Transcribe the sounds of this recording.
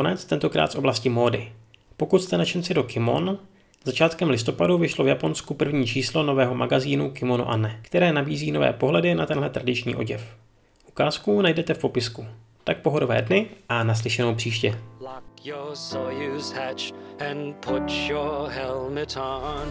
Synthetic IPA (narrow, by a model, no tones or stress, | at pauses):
konɛt͡st̪ɛnt̪o̞kɾa̰ːt̪sʔo̞blascɪmo̞ːdɪ | po̞kut̪st̪ɛnat͡ʃɛnt͡sɪdo̞kɪmo̞̰n | z̥at͡ʃaːt̪kɛmlɪst̪o̞paduvɪʃlo̞vjapo̞nskupr̩vɲiːt͡ʃiːslo̞no̞vɛːɦo̞maɡaziːnukɪmo̞nṵʔa̰nɛkt̪ɛɾɛːnabiːziːno̞vɛ̰ːpo̞ɦlɛdɪnat̪ɛnɦlɛt̪ɾadɪt͡ʃɲḭːʔo̞ɟɛf | ʔukaːskunajdɛt̪ɛfpo̞pɪsku | t̪ak̚po̞ɦodo̞vɛ̰ːdnɪʔanas̬lɪʃɛnowpr̥iːʃcɛlɑkjəsojʉz̥hæt͡ʃɨ̃npʰʊt͡ʃjə˞hɛlˠmɨɾn